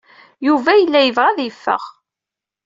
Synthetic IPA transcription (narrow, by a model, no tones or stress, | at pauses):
juvæjəlːæjəvʁæðjəfːə̰ʁ